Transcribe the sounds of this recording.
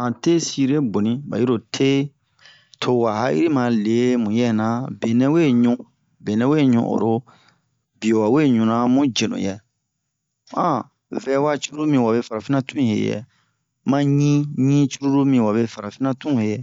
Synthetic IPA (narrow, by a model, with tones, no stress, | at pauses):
ã˨te˦si˦ɾe˦bo˨nĩ˦ba̰˨i˦o˨tʰe˦ | tʰo˨wa˨ɦa˦ḭ˦ɾi˦mã˨le˨mũ˨jɛ˦nã˨be˨nɛ̃˦we˦ɲũ˦ | be˨nɛ̃˦we˦˨ɲṵ̃˨ʔo̰˨ɾo˦ | bi˨o˨wa˨we˦ɲũ˨nã˦mũ˦d͡ʒe˨nõ̰˨jɛ˨ | ã˦ | vɛ˦wa˦t͡ʃu˦ɾu˦ɾu˦mĩ˧˨wa˨be˦fa˨ɾa˨fi˦nã˦tũ˦ĩ˨hḛ˨jɛ̰˨ | mã˦ɲĩ˦ɲĩ˦t͡ʃu˦ɾu˦ɾu˦mĩ˧wa˨βe˧fa˨ɾa˨fi˦nã˦tũ˦˨he˨jɛ˨